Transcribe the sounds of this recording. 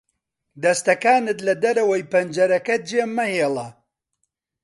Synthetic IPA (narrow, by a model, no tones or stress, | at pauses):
d̪ɐst̪ɐkaːnɨt̪lɐd̪ɐɾɐwɐjpɐnd͡ʒɐɾɐkɐd͡ʒeːmːɐheːlˠɐ